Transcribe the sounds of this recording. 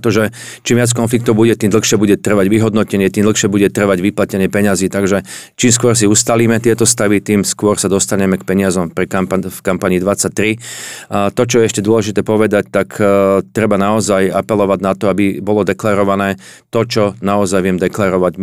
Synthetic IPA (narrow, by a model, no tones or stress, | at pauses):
t̪ɔʒɛt͡ʃiːmʋɪat͡skɔnflik̚t̪ɔʊbuɟɛt̪iːmd̪l̩xʃɪɛbuɟɛt̪r̩ʋaɟʋiɦɔd̪nɔcɛɲɪɛt̪iːmd̪l̩ˠxʃɪɛbuɟɛt̪r̩ʋaɟʋiplacɛɲɪɛpɛɲaziːt̪aɡʒɛt͡ʃiːmskʊɔɾs̬iust̪aliːmɛt̪ɪɛt̪ɔst̪aʋit̪iːmskʊɔɾsad̪ɔst̪aɲɛmɛkpɛɲɪazɔmpɾikampfkampaɲiːd̪ʋat͡sːac̚t̪ɾi | t̪ɔt͡ʃɔjɛɛʃcɛd̪ʊɔlɛʒit̪ɛːpɔʋɛd̪ac̚t̪akt̪ɾɛbanaɔzajapɛlɔʋaɟnat̪ɔabibɔlɔd̪ɛklaɾɔʋanɛː | t̪ɔt͡ʃɔnaɔzajʋɪɛmd̪ɛklaɾɔʋaɟ